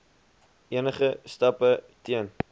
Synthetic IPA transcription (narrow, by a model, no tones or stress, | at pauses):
ʔiənəχəstɐpə | tiən